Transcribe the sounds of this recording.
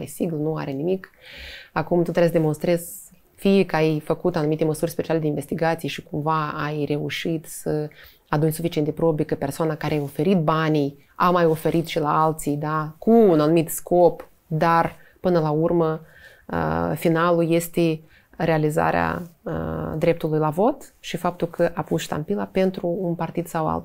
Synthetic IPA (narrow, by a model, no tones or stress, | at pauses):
ɾesiɡlnua̰ɾe̞nimik | akumt̪ot̪ɾasd̪emonst̪ɾe̞z̥ | fijekəajfəkut̪anumit̪e̞məsurʲspet͡ʃialed̪einve̞st̪iɡat̪sijeʃikumvaajre̞uʃit̪sə | ad̪unʲsufit͡ʃient̪epɾobikəpe̞rsoanakaɾeajo̞fe̞ɾit̪̚banij | a̰majo̞fe̞ɾʔit̪ʃilaalt̪sijd̪akʰuːnanumit̪sko̞p | d̪ar | pɨnəlaurmə | ə̰finaluje̞st̪e̞ | ɾe̞aliza̰ɾea̰ə̰d̪ɾe̞p̚t̪ulujlavo̞t̪ʃifap̚t̪ulkʰəʔapusʃt̪a̰mpilape̞nt̪ɾuːnpart̪id̪̥sawa̰lt̪